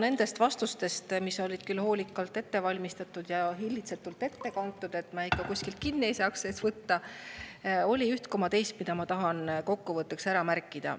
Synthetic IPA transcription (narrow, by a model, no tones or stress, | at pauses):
ne̞nd̪̥e̞st̪vɑst̪ust̪e̞st̪miso̞lʲid̪̥kylːho̞ːlʲikːˑɑlt̪e̞t̪ːe̞vɑlʲmist̪ɑt̪ːˑud̪̥jɑɦilʲːit̪set̪ːult̪e̞t̪ːe̞kɑnt̪ːˑud̪̥e̞t̪ːˑmɑikːɑkusʲkilt̪̚kinːiejsɑːksseːsvɤt̪ːɑ | o̞lʲiyht̪ko̞mɑt̪e̞jst̪mid̪̥ɑmɑt̪ɑɦɑnko̞kːuvɤt̪ːˑeksæɾɑmærkˑːid̪̥ɑ̰